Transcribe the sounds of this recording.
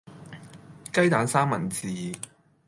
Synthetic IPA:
kɐ˥jt̪aː˨˥nsaː˥mːɐ̰˨˩nt͡siː˨˩

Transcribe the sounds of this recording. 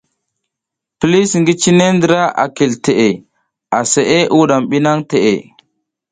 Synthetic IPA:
pli˦sŋɡi˦t͡ʃi˦ne˦ndə˦ɾa˦ʔa̰˨ki˨lte˨ʔe˨ | a˨se˨ʔe˦ʔu˦ɗa˨mɓi˦na˦ŋte˨ʔe˨

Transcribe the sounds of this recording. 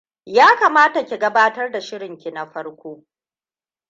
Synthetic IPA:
jaː˦kaː˨maː˦ta˨kʲi˨ɡɐ˦baː˦tɐ˦rda˨ʃɪ˦ɽɪ˨ŋkʲi˨na˨ɸɐ˦rkʷoː˦

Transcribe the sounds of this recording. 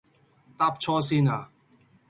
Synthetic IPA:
t̪aː˦˥p̚t͡ʃʰɔː˥s̬iː˥naː˨˩

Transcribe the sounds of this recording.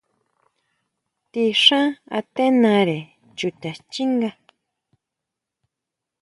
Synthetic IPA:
t̪i˧ʂã˦a̰˧t̪e˦nã˧ɾe˨ | t͡ʃu˨t̪ʲa˨t͡ʃi˦ŋɡa˧

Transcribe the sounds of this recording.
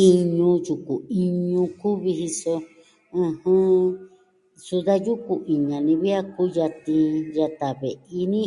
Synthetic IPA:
i˧ɲũ˧ju˨ku˨i˧ɲũ˧ku˦βi˧ɦi˧so˧ | ɨ̃˧hɨ̃˦ | su˧ða˦ju˦ku˧ʔi˨ɲã˨nĩ˧βi˦a˦ku˦ja˧t̪ĩ˧ja˧t̪a˨βe˨ʔi˧nĩ˦

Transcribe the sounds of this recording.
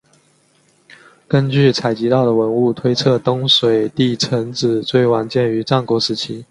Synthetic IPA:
kə˥nt͡ɕy˥˩t͡sʰa˨˩ɪt͡ɕi˧˥t̪ɑ˥˩ʊd̪ə˩wə˧˥nu˥˩t̪ʰwe˥ɪt͡sʰɤ˥˩t̪ʊ˥ŋʂwe˨˩ɪt̪i˥˩t͡sʰə˧˥ŋt͡sɹ̩˨˩˦t͡swe˥˩ɪwa˧˥nt͡ɕjɛ˥˩ny˧˥ʈ͡ʂɑ˥˩ŋkwɔ˧˥ʂɻ̩˧˥t͡ɕʰi˥

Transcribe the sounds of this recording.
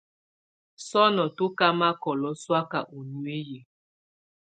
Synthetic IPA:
sɔ˦nɔ˨tu˦ka˦ma˦kɔ˨lɔ˦swa˦ka˨ʔu˨nu˦e˦je˨

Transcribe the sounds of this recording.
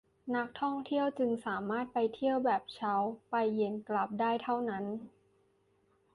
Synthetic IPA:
na˦˥k̚t̪ʰɔ˥˩ŋt̪ʰi˥˩əwt͡ɕɯ˧ŋsaː˩˦maː˥˩t̪̚pa˧jt̪ʰi˥˩əwbɛː˨˩p̚t͡ɕʰa˦˥wpa˧jːe˧˩nkla˨˩p̚daː˥˩jt̪ʰa˥˩wna˦˥n

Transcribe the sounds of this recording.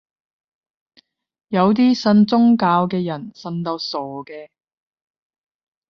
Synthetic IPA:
jɐ˨˧wt̪̬iː˥sɐ˧nt͡sʊ˥ŋkaː˧wkɛː˧jɐ˨˩nsɐ˧nt̪o˧wso˨˩kɛː˧

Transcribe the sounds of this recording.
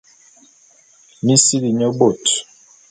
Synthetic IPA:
mi˦si˦li˨ɲɔ˦bo˦˨t

